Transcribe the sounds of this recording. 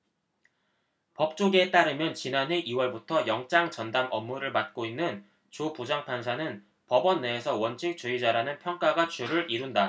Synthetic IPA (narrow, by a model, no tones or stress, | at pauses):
pʌp̚t͡ɕ͈oɡe̞t͈aɾɯmjʌnt͡ɕinanɦe̞ʔiwʌɭbutʰʌjʌŋt͡ɕ͈aŋt͡ɕʌndamʌmːuɾɯɭmat̚k͈oinːɯn | t͡ɕopud͡ʑaŋpʰansʰanɯn | pʌbʌnːeːsʰʌwʌnt͡ɕʰik̚t͡ɕ͈uid͡ʑaɾanɯnpʰjʌŋk͈aɡat͡ɕuɾɯɾʔiɾunda